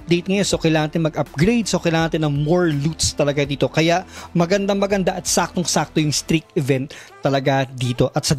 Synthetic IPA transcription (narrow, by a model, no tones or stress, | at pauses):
pd̪ejt̪̚ŋɐjonsokɐjlaːŋɐnt̪ɛnmɐɡʔɐp̚ɡɾejd̪̚sokɐjlaːŋɐnt̪ɛnɐŋmoɹlut̪st̪ɐlɐɡad̪iːt̪o̞kɐjaʔmɐɡɐnd̪aŋmɐɡɐnd̪aʔɐt̪sak̚t̪oŋsak̚t̪ojʊŋst̪ɾik̚t̪ɪvɛnt̪ː | ɐlɐɡad̪iːt̪o̞ʔɐt̪sɐ